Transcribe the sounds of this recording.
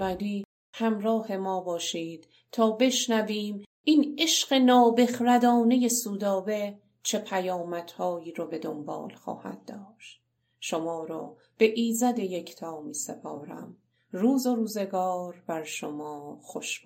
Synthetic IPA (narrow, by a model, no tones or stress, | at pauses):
væliː | hæmɾɒːhe̞mɒːbɒːʃiːd̪̥ | t̪ʰɒːbe̞ʃnæviːm | ʔine̞ʃɢe̞nɒːbe̞xɾæd̪ɒːne̞je̞suːd̪ɒːbe̞ | t͡ʃʰe̞pʰæjɒːmæt̪hɒːjiːɾɔbe̞d̪ombɒ̰ːlxɒ̰ːhæ̰d̪̚d̪ːɒːʃt̪̚ | ʃomɒːɾɔ̰ː | b̥e̞ʔiːzæd̪e̞jekʰt̪ʰɒːmiːsepʰɒ̰ːɾæ̰m | ruːzoɾuːze̞ɡɒːɾbæɾʃomɒːxoʃb